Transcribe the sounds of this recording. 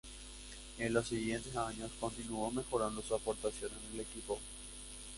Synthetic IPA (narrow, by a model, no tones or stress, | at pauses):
enlosːiɣje̞nt̪e̞saɲo̞sko̞nt̪inuome̞xo̞ɾand̪o̞suapo̞ɾt̪asjo̞nend̪ele̞kipo̞